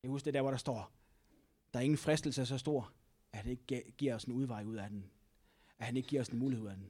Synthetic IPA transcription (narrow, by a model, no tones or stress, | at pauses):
jæɡhusɡ̥d̥e̝d̥æɐ̰ʋɒɾ̥ɑ̈sd̥ɒ̰ː | d̥ɑ̈æɐe̝ŋn̩fʁɛsd̥l̩səs̬ɒ̽sd̥o̝ɐ̰ | æhæne̝ɡ̥ə̥ɡ̥iɐ̰sɒnuð̞ˠʋɑ̈ɪuð̰ˠæd̥en | æhæne̝ɡ̥̚ɡ̥iɐ̰snmuːlihe̝ð̞̰ˠæd̥en